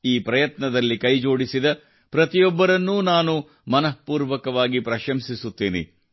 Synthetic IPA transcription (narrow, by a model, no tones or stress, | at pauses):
iːpɾɐjɐt̪nɐd̪ɐlːikɐjd͡ʒo̞ːɽisid̪ɐ | pɾɐt̪ijɔbːɐɾɐnːuːnaːnu | mɐnɐpuːɾʋɐkɐʋaːɡipɾɐʃɐmsisut̪ːeːnḛ